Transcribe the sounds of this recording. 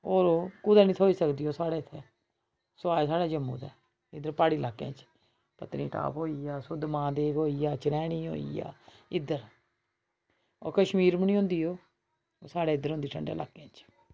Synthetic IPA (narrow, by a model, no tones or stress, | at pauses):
oːɾoːkʊd̪aːniːt̪ʰoːiːsəkd̪iːoːsaːɽeːɪt̪ʰːeː | sʊaːsaːɽaːd͡ʒəmːṵːt̪ɛ̰ː | ɪd̪əɾpaːɽiːlaːkːḛ̃ːt͡ʃ | pət̪nḭ̃ːʈa̰ːpɦoːiːjaːsʊd̪mãːd̪eːkɦoːiːjaːt͡ʃəɾɛːɽĩːɦo̰ːḭːja̰ː | ɪd̪əɾ | o̰ːɾkəʃmiːɾməniːɦʊ̃nd̪iːɦoː | saːɽeːɪd̪əɾõnd̪iːʈʰə̰ɳɖḛːla̰ːkːẽːt͡ʃ